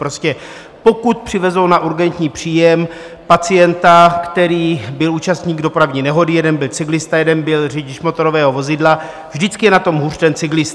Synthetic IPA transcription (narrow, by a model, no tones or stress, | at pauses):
pɾoscɛ | po̞kut̪̚pr̥ɪvɛzownaʔuɾɡɛnt̪ɲiːpr̝̥iːjɛm | pat͡sɪjɛnt̪akt̪ɛɾiːbɪluːt͡ʃast̪ɲiːɡdo̞pɾavɲiːnɛɦo̞dɪjɛdɛnbɪlt͡sɪɡlɪst̪ajɛdɛnbɪlrɛɟɪʃmo̞t̪oɾo̞vɛːɦo̞vo̞zɪdla | vʒdɪt͡skɪjɛnat̪o̞mɦurt̪ɛnt͡sɪɡlɪst̪